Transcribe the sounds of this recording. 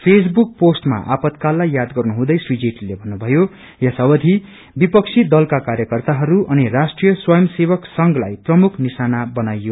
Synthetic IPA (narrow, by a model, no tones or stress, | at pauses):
pʰes̬buk̚posʈma̰ʔa̰pʌt̪kalːajːad̪ɡʌrnuɦũd̪ʌjswid͡zeʈlebʱʌnːubʱʌjo | jʌsʌwʌd̪ʱi | bipʌk̚t͡sʰid̪ʌlkakaɾjʌkʌrt̪aɦʌɾuʔʌnirasʈrijʌswʌjʌmsebʌksʌŋɡlajprʌmukʰnisanabʌnajːo